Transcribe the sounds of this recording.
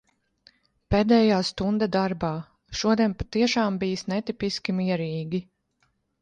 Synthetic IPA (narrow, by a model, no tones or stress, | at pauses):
peːd̪ɛːjaːst̪und̪ad̪aɾbaː | ʃuɔd̪iɛnpat̪iɛʃaːmbijsnɛt̪ipiskʲimiɛɾiːɡʲi